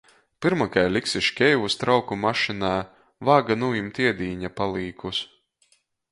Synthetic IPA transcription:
pɨɾmakajlʲiksiʃkʲɛjvust̪ɾawkumaʃinaː | vaːɡanujimt̪iɛd̪iːɲapalˠiːkus

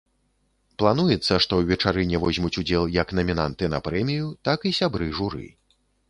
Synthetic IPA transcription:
plˠan̪ujɛt̪sːɐʂt̪ɔwvʲɛt͡ʂaɾɨnʲɛvɔzʲmut͡sʲud͡zʲɛlˠjɐknɐmʲina̰nt̪ɨnɐ̰pɾɛmʲijut̪akisʲabɾɨʐuɾɨ̰

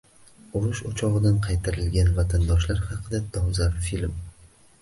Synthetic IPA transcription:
ʊɾʊʃʊt͡ʃʰɒʁɨd̪anqʰɑjt̪ʰaɾɪlɡʲanvat̪ʰand̪ɒʃlaɾhɑqʰɨd̪at̪ʰɒwzaɾfilm

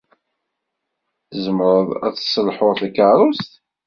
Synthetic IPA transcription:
θzəmɾˤəðˤæ̰θsˤəlħʊɾˤθækaɾˤʊst̪

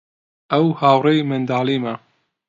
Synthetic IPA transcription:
ʔɐwhaːwrejmɐnd̪aːlimɐ

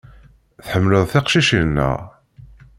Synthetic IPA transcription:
θħəmːləðˤθeqʃiʃinːæ̰

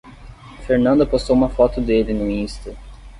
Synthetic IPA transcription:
feɾnɐ̃nd̪ɐpost̪owũmɐfɔt̪ʊd̪elɪnʊĩst̪ɐ

